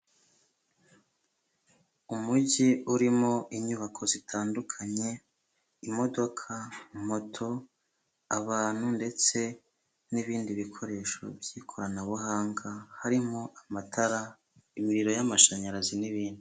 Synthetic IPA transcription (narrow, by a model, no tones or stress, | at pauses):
umuɟiuɾimo̞ʔiɲuβakʰo̞zitʰaːndukʰaɲe̞ | imo̞do̞kʰam̥o̞tʰo̞ | aβaːn̥hunde̞t͡se̞ | niβiːndiβikʰo̞ɾe̞ːʃo̞̰bjiːkʰo̞ɾanaβuɦaːŋɡahaɾimo̞ʔamatʰaɾa | imiɾiɾo̞jamaʃaɲaɾaziniβiːndi